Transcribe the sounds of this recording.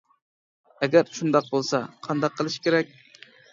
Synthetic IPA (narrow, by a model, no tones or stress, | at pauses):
ɛɡʲæɾʃund̪ɑq̚bolˠsɑqʰɑnd̪ɑqʰːəlˠɪʃi̥kʲʰeɾɛk̚ʲ